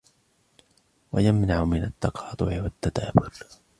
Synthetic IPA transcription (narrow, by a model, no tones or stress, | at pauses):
wajamnaʕʊmɪnat̪ːɑqɑːt̪ˤʊʕɪwat̪ːad̪aːbʊl